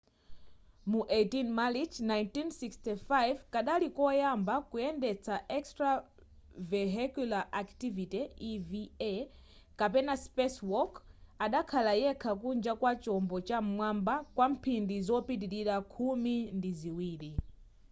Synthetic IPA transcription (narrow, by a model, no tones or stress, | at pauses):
muʔetinmalit͡ʃnajntinsikstifajvkaɗalikɔjambakujɛndɛt͡sʰaʔɛkstɾa | vɛɦɛkulaʔaktivitiiviɛ | kapɛnaspɛswɔkaɗakʰalajɛkʰak̬und͡ʒakwat͡ʃɔmbɔt͡ʃam̩mwambakwam̩pʰindizɔpit̬iɾiɾakʰumindiziwiːɾi